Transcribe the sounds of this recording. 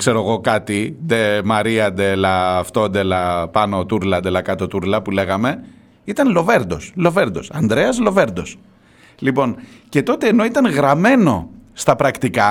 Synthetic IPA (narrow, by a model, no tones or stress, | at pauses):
kse̞ɾo̞ɣo̞kɐt̪id̪emɐɾiɐd̪e̞lɐːft̪o̞nd̪elɐpɐno̞t̪uɾlɐnd̪e̞lɐkɐt̪o̞t̪uɾlɐpule̞ɣɐme̞ | it̪ɐnlo̞ve̞ɾd̪o̞slo̞ve̞ɾd̪o̞sɐnd̪ɾe̞ɐzlo̞ve̞ɾd̪o̞s | lipo̞nce̞t̪o̞t̪e̞ːno̞it̪ɐnɣɾɐme̞no̞st̪ɐpɾɐkt̪ikɐ